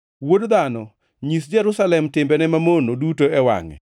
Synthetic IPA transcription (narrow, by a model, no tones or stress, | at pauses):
wodd̪anɔ | ɲis̬d͡ʒɛɾusalɛmtɪmbɛnɛmamonodutoɛwa̰ŋɛ̰